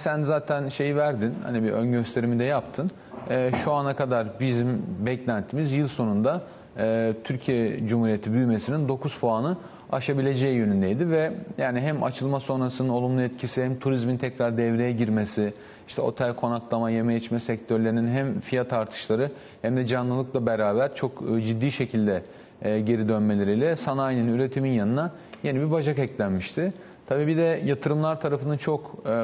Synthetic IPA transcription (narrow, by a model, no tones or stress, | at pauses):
sænzaːt̪ʰænʃe̞jivæɾd̪inha̰nibiʔønɟø̞st̪ʰe̞ɾimid̪ɛjapt̪ʰɯnː | ʃuanakad̪aɾbizimbɛclʲænt̪ʰːiːmizjɯlˠso̞nund̪aː | t̪ʰyɾcʰijɛd͡ʒumhuːɾijet̪ʰibyjme̞sinind̪o̞kuz̥foanɯ | aʃabilʲe̞d͡ʒɛjijønynd̪ejd̪ivɛjaːniɦæma̰t͡ʃʰɯlˠmaso̞nɾasɯnɯno̞lˠumlˠuɛt̪cʰisihæmt̪ʰuɾizmint̪ʰɛcɾaɾd̪ɛvɾejɛɟiɾmesi | iʃt̪ʰɛo̞̰t̪ʰalʲkʰo̞naklˠamaje̞mɛjɛt͡ʃmɛsɛc̚t̪ʰøɾlʲe̞ɾininɦæmfijat̪ʰaɾt̪ʰɯ̥ʃlˠaɾɯ | hæmd̪ɛd͡ʒanlˠɯlˠɯklˠabeɾaːbæɾt͡ʃʰo̞kːd͡ʒid̪ːiːʃe̞cʰilʲd̪ɛ | ɟe̞ɾid̪ønme̞lʲeɾijlʲɛsanajninyɾe̞t̪ʰiminjanɯna | je̞nibibad͡ʒakɛclʲænmiʃt̪ʰɪ | t̪ʰabiːbid̪ɛjat̪ʰɯɾɯmlˠaɾt̪ʰaɾafɯnɯnt͡ʃʰo̞k